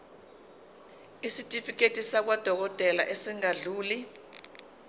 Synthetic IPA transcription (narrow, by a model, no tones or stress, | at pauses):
isitʼifik̬ʼetʼisak̬wad̥ʱɔk̬ɔtʼɛla̰ʔesiŋaɮuːli